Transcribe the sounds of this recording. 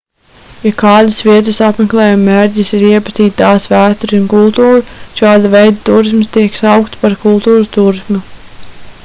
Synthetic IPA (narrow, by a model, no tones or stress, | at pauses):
jakɑːd̪asviɛt̪ɨsapmeklˠɛːjumːeɾɟisɪɾiɛpat̪iːt̪̚t̪ɑːsvæːst̪ɔɾiunkulˠt̪uːɾuʃɑːd̪avɛjd̪at̪uːɾismst̪iɛksawkt̪spaɾkulˠt̪uːɾut̪uːɾismu